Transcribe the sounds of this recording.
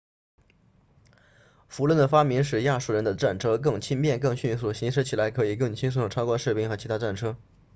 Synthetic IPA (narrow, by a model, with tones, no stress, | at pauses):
fu˧˥lwə˥˩nd̪ə˩fa˥mi˧˥nʂ̬ɻ̩˨˩ja˥˧˩ʂu˥˩ɻə˧˥nd̪ə˧ʈ͡ʂa˥˩nʈ͡ʂʰɤ˥k̬ɤ˥˩ŋt͡ɕʰi˥npjɛ˥˧nkɤ˥˧ŋɕy˥˩nsu˨˩ɕi˧˥nʂɻ̩˥t͡ɕʰi˨˩la˧˥ɪkʰɤ˧˥i˨˩kɤ˥˩ŋt͡ɕʰi˥ns̬u˥˩o˨˩ʈ͡ʂʰɑ˥ʊkwa˥ʂɻ̩˥˧pi˥˩ŋxɤ˧˥t͡ɕʰi˧˥t̪ʰa˥ʈ͡ʂa˥˩nʈ͡ʂʰɤ˥